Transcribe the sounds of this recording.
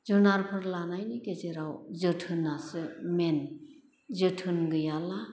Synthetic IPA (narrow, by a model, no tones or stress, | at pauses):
zɯnaɾpʰɯɾlanajniɡezeɾawzɯtʰɯnasɯmen | zɯtʰɯnɡɯjala